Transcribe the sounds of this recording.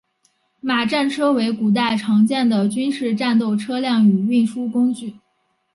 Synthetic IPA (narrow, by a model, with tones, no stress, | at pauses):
ma˨˩ʈ͡ʂa˥˩nʈ͡ʂʰɤ˥we˧˥ɪku˨˩t̪̬a˥˩ɪʈ͡ʂʰɑ˧˥ŋt͡ɕjɛ˥˩nd̪ə˩t͡ɕy˥nʂɻ̩˥˧ʈ͡ʂa˥˧nt̪̬o˥˩ʊʈ͡ʂʰɤ˥ljɑ˥˩ŋy˨˩y˥˩nʂu˥kʊ˥ŋt͡ɕy˥˩